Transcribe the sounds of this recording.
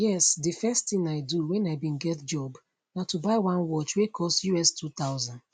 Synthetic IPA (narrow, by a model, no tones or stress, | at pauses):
jɛsdɨfɛsttĩŋaɪduwɛ̃naɪbĩnɡɛtd͡ʒɔb | natubaɪwãnwɔt͡ʃwekʰɔstjuɛstʰut̪aʊzãnd